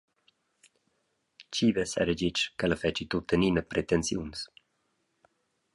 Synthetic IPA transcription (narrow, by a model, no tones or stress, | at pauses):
t͡ʃivəsɛ̰ɾəd͡ʒit͡ʃkələfɛt͡ʃit̪ut̪ːəninəpɾet̪ensjuns